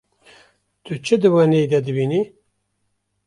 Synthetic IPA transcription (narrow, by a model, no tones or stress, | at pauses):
t̪ʰɨt͡ʃʰɨd̪ɨwaned̪ɛd̪ɨbiːni